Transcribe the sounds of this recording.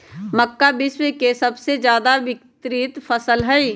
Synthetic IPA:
mɐkːabɪʃwekesɐbsezjaːd̪aʋɪkt̪ɾɪt̪fʰɐsəlɦɛi

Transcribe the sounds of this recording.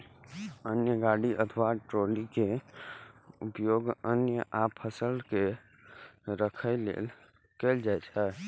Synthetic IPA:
ənjəɡaɽiʔət̪ʰʋaʈɾolike | upjoɡənjəʔapʰəsəlke | ɾəkʰəɪlḛl | kɛld͡ʒaɛt͡ʃʰɛ

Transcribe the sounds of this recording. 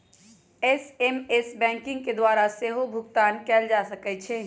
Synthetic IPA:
esemesbɛ̃ːŋkɪ̃ŋɡ̚ked̪waːɾaseːɦobʱʊɡt̪aːnkɛːld͡ʒaːsɐkɛt͡ʃʰeː

